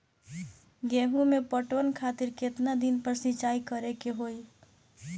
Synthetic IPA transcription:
ɡɛːɦũmẽpəʈwənkʰaːt̪ɪɾkɪt̪nad̪inpəɾsɪ̃t͡ʃaːikəɾekeɦoːi

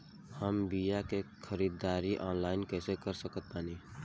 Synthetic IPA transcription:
həmbijakekʰəɾiːd̪aːɾiʔɔ̃ːnlaːɪnkɛːsekəɾsəkət̪̚paːniː

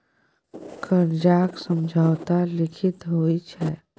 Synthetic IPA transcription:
kəɾd͡ʒaːksə̃md͡ʒʱaːt̪alɪkʰɪt̪ɦoːit͡ʃʰɛː

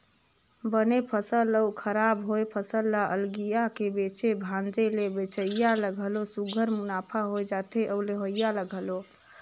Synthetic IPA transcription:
bənepʰəsələwkʰəɾabɦojpʰəsəlːaʔə̰lɡijakebet͡ʃebʱãnd͡ʒelebet͡ʃʰəjaləɡʱəlosuɡʱəɾmunapʰaɦojd͡ʒat̪ʰeʔəwleɦojjaləɡʱəlo

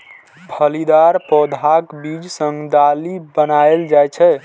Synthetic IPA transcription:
bʱəlid̪aɾpɔd̪ʱakbid͡ʒsə̃ŋɡd̪alibənaeld͡ʒajt͡ʃʰɛ

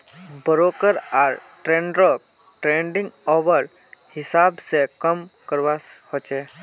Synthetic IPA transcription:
bəɾoːkəɾaːɾʈɾẽːɳɖɾok̚ | ʈɾẽːɳɖĩŋɡɔːʋəɾ | hɪsaːbsekəmkəɾʋashot͡ʃe

